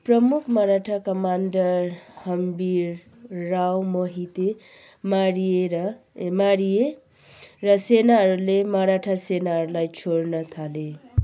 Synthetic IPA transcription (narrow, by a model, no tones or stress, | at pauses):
prʌmukʰmʌɾaʈʰakʌmanɖʌɾhʌmbiɾː | awmoɦit̪e | maɾieɾʌmaɾije | ɾʌsenaɦʌɾulemʌɾaʈʰasenaɦʌɾulajt͡ʃʰoɽnʌt̪ʰale